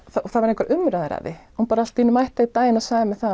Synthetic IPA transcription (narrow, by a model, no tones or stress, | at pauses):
θaɔθavaɾẽhkvaɾʔʏmɾaðɪɾa̰ðɪ̰hunpaːɾaal̥t̪inːʏmajht̪ait̪aːjɪnaðsaːðɪmɛðθa